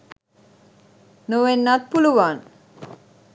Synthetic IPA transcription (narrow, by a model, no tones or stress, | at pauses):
noʋenːat̪̚puluʋaːn